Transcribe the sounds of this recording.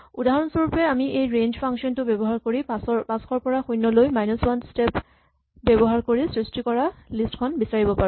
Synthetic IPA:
udaɦɔnsɔɹupɛamiʔejɹend͡ʒpʰaŋksiɔntʊbebɔɦaɹkoɹipasɔpaskʰɔɹpɔɹaxujnːɔlojmajnɔswanstep | bɛbɔɦaɹkoɹisɹistikɔɹalistkʰɔnbisaɹibɔpaɹʊ̃

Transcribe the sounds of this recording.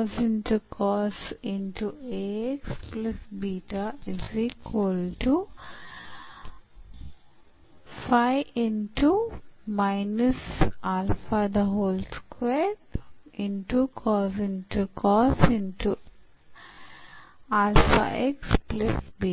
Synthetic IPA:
zɪ̃nʈukʰɔːsɪ̃nʈueksplɐsbiːʈaɪziːkwəlʈu | faɪʔɪ̃nʈumaɪnəsaːlfad̪əɦoːlskweʈɪ̃nʈukʰɔːzɪ̃nʈukʰɔːsɪ̃nʈu | aːlfa̰ʔeksplɪsbiː

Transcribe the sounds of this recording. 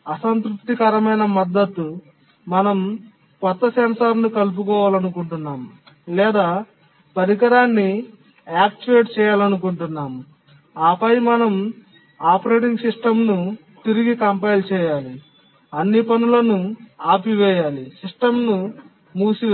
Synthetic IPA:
ɐsɐnt̪ɾup̚t̪ikɐːɾɐmɐjnɐmɐd̪ːɐt̪ːu | mɐnɐm | kɔt̪ːɐsɐnɐsaːɾnukɐlup̬ukɔːʋaːlɐnukuɳʈunːaːmu | lɛːd̪aː | pɐɾik̬ɐɾaːnːi | aːk̚t͡ʃiʋeːʈt͡ʃɛːjaːlɐnukuɳʈunːaːmu | aːpɐjmɐnɐm | aːpɐɾe̞ːʈiŋɡsiʂʈɐmnu | t̪iɾiɡikɐmpɐjlt͡ʃɛːjaːli | ɐnːipɐnulɐnuaːpiʋɛːjaːlisiʂʈɐmnu | muːsi

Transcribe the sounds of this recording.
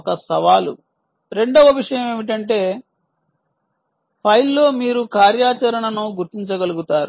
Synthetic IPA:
kɐsɐʋaːlṵ | ɾe̞ɳɖoːʋɐʋiʂɐjɐme̞ːmiʈ̬ɐɳʈe̞ː | pʰɐjlːo̞ːmiːɾukaːɾjaːt͡ʃɐɾɐɳɐnuɡuɾt̪iɲt͡ʃɐɡɐluɡut̪aːɾu

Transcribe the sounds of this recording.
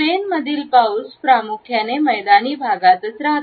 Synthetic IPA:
enməd̪ʱiːlpauspɾamukʰjaneməjd̪aniːbʱaɡat̪ət͡sɾaɦ̪

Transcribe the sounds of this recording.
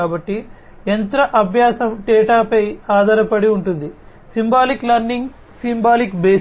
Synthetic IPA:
aːbɐʈːi | ent̪ɾɐʔɐbʱjaːsɐmʈɛːʈaːpɐjaːd̪ɐɾɐpɐɽiuɳʈund̪i | simbaːliklɐɾniŋɡ | simbaːlikbeː

